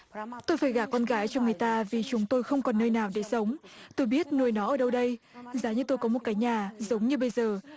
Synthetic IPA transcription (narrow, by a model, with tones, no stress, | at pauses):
t̪o˧jfaː˧˩jɣaː˧˩kɔ˧nɣaː˨˦jt͡ɕɔ˧ŋ͡mŋɨ˨˩əjt̪aː˧vi˨˩t͡ɕʊ˨˦ŋ͡mt̪o˧jxə˧wŋ͡mkɔ˨˩nːəː˧jnaː˨˩wɗe˧˩sə˨˦wŋ͡mt̪o˧jɓi˦˥ət̚nu˨˩əjnɔ˨˦ʔəː˨˩ɗə˧wɗə˧j | zaː˨˦ɲɨ˧t̪o˧jkɔ˨˦mo˨˩t̚kaː˨˦jɲaː˨˩zə˨˦wŋ͡mɲɨ˧ɓə˧jzəː˨˩